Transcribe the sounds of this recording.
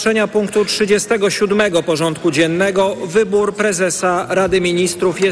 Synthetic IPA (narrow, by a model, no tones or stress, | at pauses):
ʂɛɲapuŋkt̪utʂɘd͡ʑɛst̪ɛɡɔɕud̪mɛɡɔpɔʐɔnt̪̚kud͡ʑɛnːɛɡɔvɘbuɾpɾɛzɛsaɾad̪ɘmʲiɲist̪ɾufjɛ